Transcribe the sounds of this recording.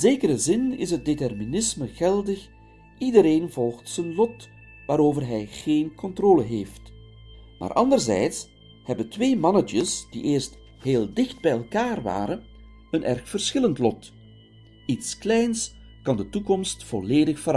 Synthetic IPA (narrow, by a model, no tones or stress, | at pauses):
zeːkəɾəzɪnɪ̰sɦət̚detɛrminɪsməɣɛlˠdəx | idəɾeːnvɔlˠxtsənlɔt | ʋaːɾoːvərɦɛjɣeːnkɔntroːləɦeːft | ma̰ːɾʔɑndərzɛ̰jts | hɛbəntʋeːmɑnəd͡ʒəsd̥ḭʔeːrst | heːlˠdɪxt̚bɛjɛlˠkaːrʋa̰ːɾən | ənʔɛ̰rxfərsxɪləntlɔt | itsklɛjns | kɑndətukɔmstfɔleːdəxfə